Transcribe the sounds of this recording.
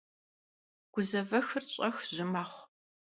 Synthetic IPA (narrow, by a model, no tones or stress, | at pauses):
ɡ̥ʷʊzɐvɐxɨrt͡ɕʼɐxʒɪmaːχʷ